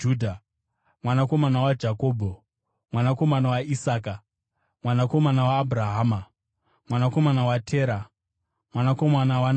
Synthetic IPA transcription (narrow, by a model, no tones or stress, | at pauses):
uːdʱa | mwanako̞manawad͡ʒakoːbʱo | mwanako̞manawaisaːka | mwanako̞manawaːbʱɾaɦaːma | mwanako̞manawatʰeːɾa | mwanako̞manawan